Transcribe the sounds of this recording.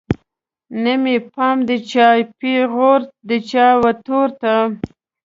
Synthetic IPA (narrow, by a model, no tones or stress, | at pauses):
nəmipɑmd̪ət͡ʃɑjpiɣoɾd̪ət͡ʃɑwat̪oɾt̪a